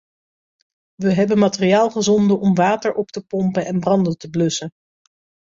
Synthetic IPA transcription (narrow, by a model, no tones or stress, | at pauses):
ʋəɦɛbənmaːterijaːlˠχəzɔndəʔɔmʋaːtəɹʔɔptəpɔmpənɛnbrɑndətəblɵsə